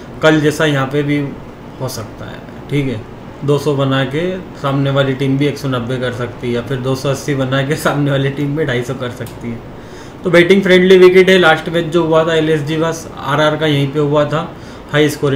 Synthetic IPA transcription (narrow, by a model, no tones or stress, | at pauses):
kɐld͡ʒɛːsajɐɦãpebʱi | hosɐk̚t̪a̰ɦɛ̰ | ʈʰiːkɦɛː | d̪oːsɔbɐnakesaːmneʋaːliʈiːmbʱieːksonɐbːekɐɾsɐkt̪iɦɛjafɪɾd̪oːsɔɐsːibɐnak̬esaːmneʋaːliʈiːmːẽɖʱaːisɔkɐɾsɐkt̪iɦɛː | t̪obeːʈɪ̃ŋɡfɾɛ̃ːɳɖliʋɪkɪʈɦɛlaːsʈmẽt͡ʃd͡ʒoɦʊat̪ʰaeleːs̬d͡ʒibɐs | a̰ːɾaːɾkajɐɦĩpeɦʊat̪ʰa | haːiɪskoːɾ